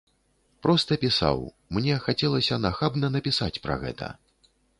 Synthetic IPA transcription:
pɾɔst̪ɐpʲisa̰w | mnʲɛxat͡sʲɛlˠɐsʲɐnaxabnɐnɐpʲisat͡sʲpɾɐ̰ɣɛ̰t̪ɐ̰

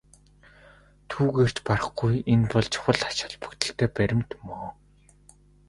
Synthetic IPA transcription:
t̪ʰuːɣeːr̥t͡ɕparə̆χɡujenpɔɮt͡ɕʰʊ̥χə̆ɮḁt͡ɕə̆ɮpu̥kt̪ɘ̆ɬt̪ʰeːpæɾʲɪ̆mt̪moː

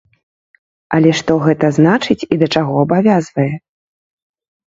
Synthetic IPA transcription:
ɐlʲɛʂt̪ɔɣɛt̪ɐznat͡ʂɨt͡sʲid̪ɐt͡ʂaɣɔɐbavʲazvɐjɛ

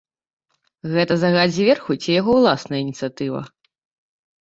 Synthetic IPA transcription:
ɣɛt̪ɐzɐɣad͡zʲvʲɛrxut͡sʲijaɣɔwlˠasnɐjəinʲit̪sɨjat̪ɨvɐ̰

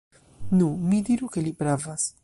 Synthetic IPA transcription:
numidiɾuke̞lipɾavas

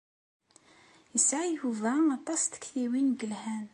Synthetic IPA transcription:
əsʕajhuvæɑt̪ˤɑst̪ə̥kθiwinɡəlhæn

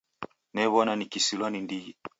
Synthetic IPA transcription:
nɛβɔnanikisilwanindiji

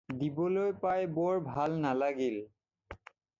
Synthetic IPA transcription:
dibɔlojpajbɔɹbʱalnalaɡil

